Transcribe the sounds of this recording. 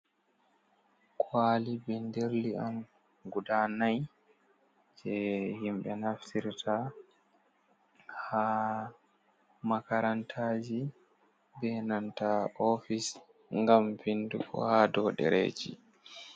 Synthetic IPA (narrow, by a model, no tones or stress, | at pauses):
kʰwaːlibɛndeɾlian | ɡudanaj | d͡ʒɛhimɓɛnaftiɾtʰa | ha | makaɾantʰaːd͡ʒi | bɛnantaofis | ŋɡamvindṵkɔ̰haːdɔːɗɛ̰ɾḛd͡ʒḭ